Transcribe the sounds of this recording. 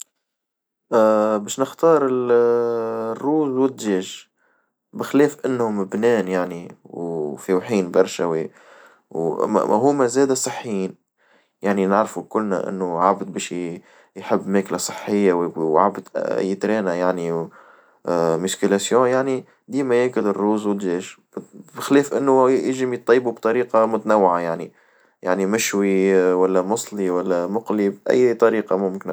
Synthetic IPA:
ʔbɛːʃnɪxt̪ɑːɾˤɪl | rːuːzwɪd̪ʒeːʒ | bɪxlɛːfʔɪnːhʊmbnɛːnjaʕniwfiwħiːnbɑɾˤʃawi | ɦʊːmæzɛːd̪asˤɨħːjiːn | jaʕninɪʕɾfukʊlːna̰ʔɪ̰nːʊʕabd̪̚bɛːʃ | jħɪbːmæːklasˤɨ̥ħːɪjːawwʕa̰bd̪ʔjt̪ɾɛːnajaʕni | mʊskəlasjõːjaʕni | d̪iːmæjeːkʊlɪrːuːzwɪlʒeːʃ | bɪxlɛːfʔɪnːʊjɪʒɪmjt̪ˤːɑjːbubt̪ˤɑɾiːqɑmʊt̪nawːɪʕajaʕni | jaʕnimɪʃwiwælːæmʊsˤliwælːæmʊqlibʔæ̰jːt̪ˤɑɾiːqɑmʊmkɪn

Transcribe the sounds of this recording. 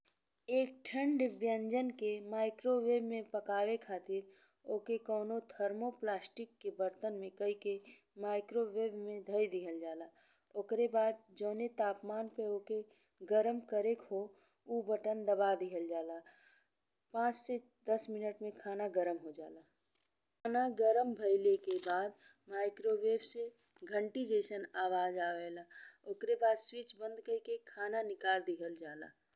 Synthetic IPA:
eːk̚ʈʰə̃ɳɖbjə̃ɲd͡ʒənkemaːɪkɾoʋeːbmẽpəkaːwekʰaːt̪ɪɾ | oːkekɔːnot̪ʰəɾmoplaːsʈɪkːebəɾt̪ənmẽkəikemaːɪkɾoweːbmẽd̪ʱəjd̪iɦəld͡ʒaːla | okɾebaːd̪̚d͡ʒəːnet̪aːpmaːnpeoke | ɡəɾəmkəɾekʰo | ubəʈənd̪əbad̪iɦəld͡ʒaːla | pãːt͡ʃse | d̪əsmɪnəʈmẽkʰaːnaɡəɾəmɦod͡ʒaːla | naɡəɾəmbʱəɪlekebaːd̪ | maːɪkɾobeːpse | ɡʱə̃ɳʈid͡ʒeːsənaːʋaːd͡ʒaːʋɛːlaoːkɾebaːd̪swit͡ʃbə̃nd̪kəikekʰaːnanɪkaːɾd̪iɦəld͡ʒaːla̰ː

